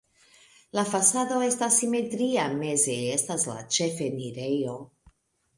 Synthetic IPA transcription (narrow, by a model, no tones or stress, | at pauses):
lafasado̞e̞stasime̞tɾiame̞ze̞estasla̰t͡ʃefeniɾejo̞